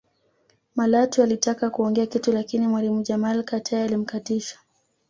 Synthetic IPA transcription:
malatualitakakuɔŋɡɛakitulakinimwalimuʄamalkatʰaalim̩katiʃḁ

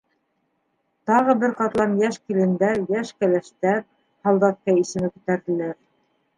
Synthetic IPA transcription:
t̪ɑʁɤbɘɾqɑt̪lˠɑmjæʃkilɘ̆nd̪æjæʃkælæʃt̪æɾ̚ | hɑlˠd̪ɑt̪̚kɑisɘ̆mɘkʉ̆t̪æɾðɘ̆læɾ

